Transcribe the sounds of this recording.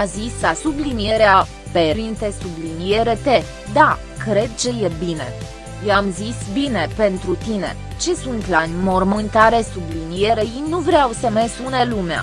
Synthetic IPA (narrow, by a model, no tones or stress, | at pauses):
azislasublinije̞ɾea | peɾint̪e̞sublinije̞ɾet̪e̞ | d̪a | kɾe̞d̪̚t͡ʃejebine̞̰ | jeamzisbine̞pe̞nt̪ɾut̪ine̞ | t͡ʃe̞sunt̪lanʲmo̞rmɨnt̪aɾe̞sublinije̞ɾejinuvɾeawsəmesunelumea̰